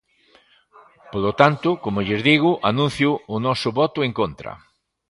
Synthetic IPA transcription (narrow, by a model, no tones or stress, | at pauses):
polot̪ant̪ʊkomʊʎezðiɣ̞ʊʔanũn̟θjʊːnɔsʊβɔt̪ʊeŋkont̪ɾɐ̰